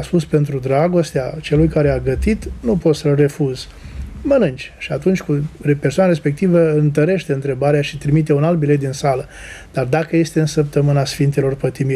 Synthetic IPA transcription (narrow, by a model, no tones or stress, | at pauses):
aspuspe̞nt̪ɾud̪ɾaɡo̞st̪eat͡ʃe̞lujkaɾe̞aɡət̪it̪nupo̞t̪səlre̞fuz | mənɨnt͡ʃʲʃiat̪unt͡ʃʲkupe̞rsoanaɾe̞spe̞k̚t̪ivəɨnt̪əɾe̞ʃt̪e̞ɨnt̪ɾe̞baɾeaʃit̪ɾimit̪e̞unalt̪̚bilet̪d̪insalə | d̪̥ard̪akəje̞st̪e̞ɨnsəp̚t̪əmɨnasfint̪e̞lo̞rpət̪imi